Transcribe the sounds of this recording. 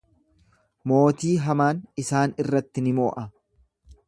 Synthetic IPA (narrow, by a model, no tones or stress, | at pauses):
mo̞ːt̪iːɦɐmaːnɪsaːnɪrːɐt̪ːɪnɪmo̞ːʔɐ